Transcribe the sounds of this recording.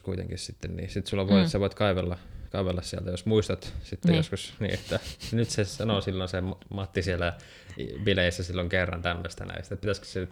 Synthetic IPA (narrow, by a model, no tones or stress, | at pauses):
kuit̪ḛŋkissit̪ːennḭːsit̪sulːɑʋoiesɑʋoit̪kɑiʋelːɑkɑiʋelːɑssiæ̰lt̪æjosmuist̪ɑt̪sit̪ːejoskusnḭːet̪ːænyt̪sesɑnosilːonsemmɑt̪ːisielːæ̰ | ʋileisːæsilːoŋkerːɑ̰nt̪æmːøst̪æ̰næ̰ḭjsit̪ːepit̪æskø̥sey